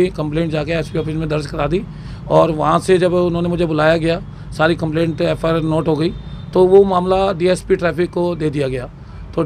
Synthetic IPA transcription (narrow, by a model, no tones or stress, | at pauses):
ikə̃mplẽːɳʈ̚d͡ʒaːkeɛːspiɔːfɪsmẽd̪əɾd͡ʒkəɾaːd̪iː | ɔːɾʋɐɦãsed͡ʒəbʊnɦõːnemʊd͡ʒʱebʊlaːjaɡɐjaː | saːɾikəmplẽːɳʈɛːpʰaːnoːʈɦoːɡəiːt̪oʋomãːmlaɖiːɛːspiːʈɾɛːpʰɪkːod̪eːd̪ɪjaɡɐjaː | t̪oː